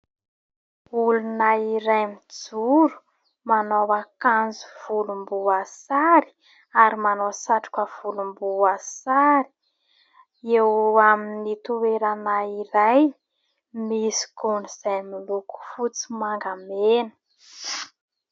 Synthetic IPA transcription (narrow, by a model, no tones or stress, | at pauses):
ulunaiɾajmid͡zuɾu̥ | manowakand͡zu̥v̥ulumbuasaɾi̥ | aɾimanosaʈ͡ʂu̥kəv̥ulumbuasaɾi̥ | ewaminit̪uweɾanaiɾaj | misi̥kunz̥ajmiluku̥fut͡simaŋɡamenə̥